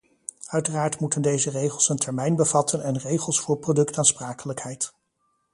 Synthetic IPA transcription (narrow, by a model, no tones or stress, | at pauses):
œɥtəraːɹtmutəndejzərejχəlˠsəntʰɛɹmɛjnbəvɑtʰənɛnrejχəlˠsfʊːɹprowdɵktaːnspraːkələkhɛjt